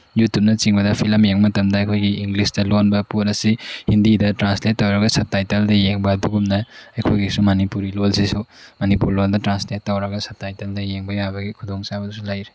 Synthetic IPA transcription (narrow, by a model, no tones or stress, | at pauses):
jutjup̚nɐt͡ʃiŋbɐdɐpʰilɐmjeŋmɐtɐmdɐɐkʰojɡiːŋɡlisdɐlonbɐponɐsihindidɐtɾansletːawɾɐɡɐsɐp̚tajteldɐjeŋbɐduɡumnɐɐjkʰojɡisumɐnipuɾilolsisumɐnipuɾloldɐtɾanslet̚ːawɾɐɡɐsɐp̚tajteldɐjeŋbɐjabɐɡikʰudoŋsabɐdusulajɾe